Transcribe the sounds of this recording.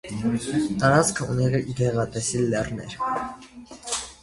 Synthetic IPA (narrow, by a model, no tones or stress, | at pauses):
t̪ɑɾɑt͡skʰəṵnɛʁɛʔidɛʁɑt̪ʼɛsilɛrnɛ̰ɾ